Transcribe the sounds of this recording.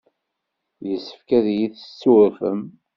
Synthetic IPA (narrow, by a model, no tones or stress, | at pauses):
jəsːə̥fkæðjiθə̥st͡sːuɾfəm